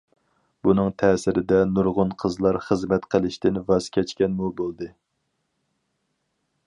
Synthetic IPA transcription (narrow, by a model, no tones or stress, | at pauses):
bunɨŋt̪ʰɛːsɪɾɪd̪ɛnuɾʁʊnqʰəzlˠɑɾχəzmɛt̪qʰəlˠɪʃt̪ɪnvɑzkʲʰɛt͡ʃkʲɛnmubolˠd̪ɨ